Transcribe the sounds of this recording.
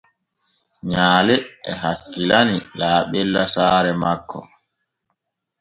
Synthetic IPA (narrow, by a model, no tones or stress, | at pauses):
ɲaːlɛɛɦakːilanilaːɓɛlːasaːɾɛmakʰːɔ̰